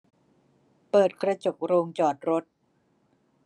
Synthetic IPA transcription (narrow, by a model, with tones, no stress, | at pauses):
pɤː˨˩t̪̚kɾa˧t͡ɕo˨˩k̚ɾoː˧ŋt͡ɕɔː˨˩t̪̚ɾo˦˥t̪̚